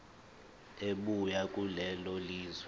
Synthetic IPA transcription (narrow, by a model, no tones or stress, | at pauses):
eɓujakʼulɛloliːzwɛ